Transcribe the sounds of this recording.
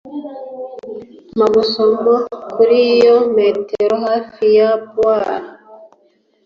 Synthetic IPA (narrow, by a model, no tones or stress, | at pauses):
maɡusomɡokʰuɾijometeɾohafijabwaɾa